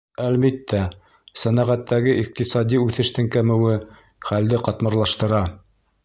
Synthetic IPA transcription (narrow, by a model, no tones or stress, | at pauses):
ælmit̪ːæ | sænæʁæt̪ːæɡɘʔiq̚t̪isɑd̪ʲiʉθɘ̆ʃt̪ɘŋkæmɘ̆wɘ | χæld̪ɘqɑt̪mɑ̆ɾlˠɑʃt̪ɤ̆ɾɑ